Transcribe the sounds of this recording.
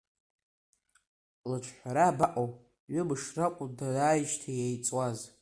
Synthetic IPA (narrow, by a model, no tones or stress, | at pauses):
lat͡ʃʷʰħʷaɾabaʔʼow | ɥʊbɨʂrakʷʼudaaːjʃtʰajejt͡sʼwaz